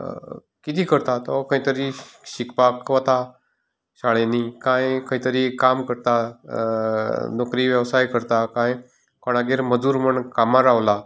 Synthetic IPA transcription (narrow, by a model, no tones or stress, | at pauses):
kit̪iːkəɾt̪at̪ɔkə̃ɦĩt̪əɾiɕikpakʋət̪a | ɕaɭenikãjkə̃ĩt̪əɾikamkəɾt̪a | nokɾiʋjəʋsajkəɾt̪akãj | kɔɽ̃aɡeɾməd͡zuːɾməɳkamaɾaʋla